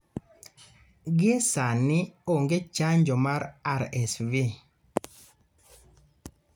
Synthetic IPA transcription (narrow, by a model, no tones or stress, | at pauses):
ɡiesanioŋɡet͡ʃaɲd͡ʒɔmaɾaɾɛsvi